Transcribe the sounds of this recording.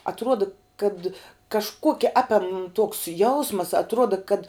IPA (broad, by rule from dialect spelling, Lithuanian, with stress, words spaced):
ɐtˈruɔdɐ kɐt kɐʃˈkuɔkʲɛ ˈɑːpʲɛm tuɔks ˈjɛʊsmɐs ɐtˈruɔdɐ kɐt